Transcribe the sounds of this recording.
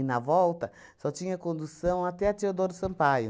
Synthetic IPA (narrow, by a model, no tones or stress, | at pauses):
nɐvɔwt̪ɐsɔt͡ʃĩɲɐkõnd̪usɐ̃w̃at̪ɛɐt̪eod̪oɾd̪ʊsɐ̃pajʊ